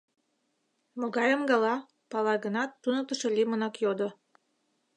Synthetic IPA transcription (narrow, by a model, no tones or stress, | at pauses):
moɡɑjəmɡɑlɑ | pɑlɑɣənɑt̪ːunə̆k̚t̪ə̆ʃelʲimənɑkjod̪o